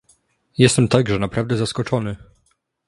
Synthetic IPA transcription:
jɛst̪ɛmt̪aɡʐɛnapɾavd̪ɛzaskɔt͡ʂɔnɘ

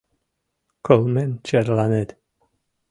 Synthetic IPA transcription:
kʰɔlˠmɛnt͡ʃʰɛɾlanɛd̥

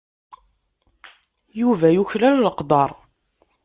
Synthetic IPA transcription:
juvæjuçlælləqd̪ˤɑɾˤ

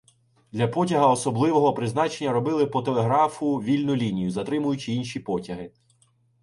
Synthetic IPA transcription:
d̪lʲɐpɔtʲɐɦɐɔsɔblˠɪʋɔɦɔpɾɪznɑt͡ʃe̞nʲːɐɾɔbɪlˠɪpɔt̪elˠeɦɾɑfʊʋʲilʲnʊlʲinʲijʊzɐt̪ɾɪmʊjʊt͡ʃɪinʃʲipɔtʲɐɦɪ

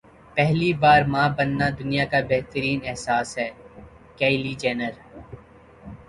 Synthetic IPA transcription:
pɛɦlibaːɾmãːbɐnːad̪ʊnijakabeɦt̪əɾiːnɛɦsaːsɦɛː | kɛːɪlid͡ʒɛːnəɾ

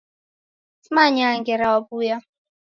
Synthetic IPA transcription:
t͡smaɲaŋɡɛɾawabuja

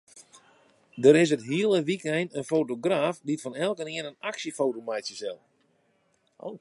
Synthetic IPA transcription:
dəɾɪs̬ətɦiəlˠəʋikɛjnənfoːtoɡraːfditfɔnɛlˠkənɪənənaksəfowtomɛjtjəsɛlˠ | o̰

